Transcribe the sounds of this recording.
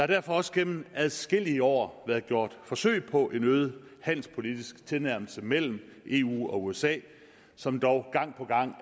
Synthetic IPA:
jɑ̈hɑ̈ɾ̥æɐ̰fɒ̽ɒ̽səɡ̥em̰n̩æðˠsɡ̥e̝l̰iəɒ̰ːʋæɐðˠɡ̥jo̝ɐ̰d̥fɒ̽sø̰ɪ̰pʰɒ̽ʔe̝nøːð̞̩ˠhæn̰l̩spʰo̝lid̥isɡ̥t͡sʰe̝lnæɐ̰ml̩səmel̰m̩ʔe̝̰ːṵːɒ̽uesɛ̰ː | sɒ̽md̥ɒʊɡ̥ɑ̈ŋ̰pʰɒ̽ɡ̥ɑ̈ŋ̰

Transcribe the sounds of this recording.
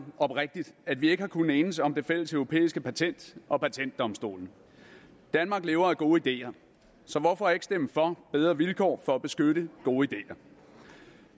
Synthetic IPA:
ɒ̽b̥ʁeɡ̥̚d̥id̥æd̥ʋie̝ɡ̥əhɑ̈kʰun̩eːnəsɒ̽md̥e̝fel̰əsœʊʁo̝pʰḛːisɡ̥əpʰæt͡sʰen̰d̥ʔɒ̽pʰæt͡sʰen̰d̥ːɒ̽msd̥o̝̰ːln̩ | d̥ænmɑ̈ːɡ̥le̝ːʊɐæɡ̥o̝ːəid̥e̝̰ːɐ | sɒ̽ʋɒfɒ̽æɐe̝ɡ̥sd̥em̰fɒ̽b̥eð̞ˠʁɐʋilkʰɒ̰ːfɒ̽æb̥e̝sɡ̥øɾ̥əɡ̥o̝ːəid̥e̝̰ːɐ

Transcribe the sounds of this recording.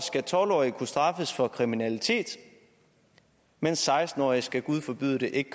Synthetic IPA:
sɡ̥æt͡sʰɒlɒ̰ːikʰusd̥ʁɑ̈fəsfɒ̽kʰʁiminælit͡sʰe̝̰ːd̥ | mensːɑ̈ɪsd̥n̩ɒ̰ːisɡ̥æɡ̥uð̞ˠfɒ̽b̥y̰ðˠd̥e̝ʔe̝ɡ̥kʰ

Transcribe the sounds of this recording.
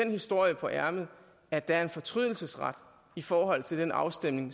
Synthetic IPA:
enhisd̥o̝ɐ̰jəpʰɒ̽ʔæɐməð̩ˠ | æɐd̥ææɐe̝nfɒ̽t͡sʰʁyð̰ˠl̩səsʁɑ̰d̥ | ifɒːɦɒ̽l̰t͡sʰe̝ld̥enɑ̈ʊsd̥emne̝ŋ

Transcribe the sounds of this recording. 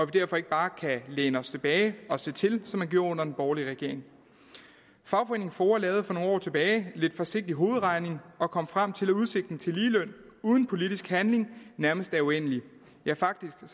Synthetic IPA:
ɒ̽ʋid̥æɐ̰fɒ̽e̝ɡ̥̚b̥ɑ̈ːkʰæleːnəɒ̽st͡sʰe̝b̥ɛːɪɒ̽se̝̰ːt͡sʰe̝lsɒ̽mæɡ̥jo̝ɐ̰ɔ̽nɐd̥enb̥ɒːliʁɛɡ̥e̝ɐ̰e̝ŋ | fɑ̈ʊfɒeːne̝ŋ̩fɒːɐlɛːð̞̩ˠfɒ̽no̝ːnɒ̰ːt͡sʰe̝b̥ɛːɪle̝d̥fɒ̽se̝ɡ̥̚d̥iɦo̝ːð̞̩ˠʁɑ̈ɪne̝ŋɒ̽kʰɒ̽m̰fʁɑm̰t͡sʰe̝læuðˠse̝ɡ̥̚d̥n̩t͡sʰe̝liːlœn̰ | uːð̞ˠn̩pʰo̝lid̥isɡ̥hænle̝ŋnæɐməsd̥æɐuen̰li | jɑ̈ɐfɑ̈ɡ̥̚d̥isɡ̥

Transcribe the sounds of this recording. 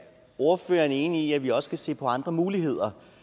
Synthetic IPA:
o̝ɐfø̰ːɐne̝ːniiæʋiɒ̽sə̥kʰæse̝̰ːpʰɒ̽ɑ̈nd̥ʁɐmuːliɦe̝ð̞̰ˠɐ

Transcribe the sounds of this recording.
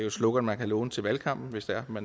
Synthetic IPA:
jo̝slɔ̽ɡ̥ɐmænkʰælɔːnət͡sʰe̝lʋælkʰɑ̈m̰b̥n̩ʋe̝sd̥æɐmæn

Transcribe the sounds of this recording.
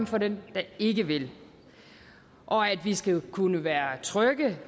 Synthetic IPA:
mfɒ̽dend̥ɑ̈e̝ɡəʋe̝l | ʔɒ̽æd̥ʋisɡ̥ækʰunəʋæːɐt͡sʰʁœɡ̥ə

